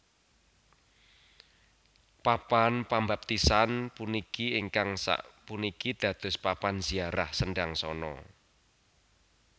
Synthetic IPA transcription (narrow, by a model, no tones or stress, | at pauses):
papanpambap̚t̪isanpunikieŋkaŋsa̰ʔpunikid̪̥ä̤d̪̥ʊ̤spapanz̥iaɾahsəɳɖaŋsɔnɔ̰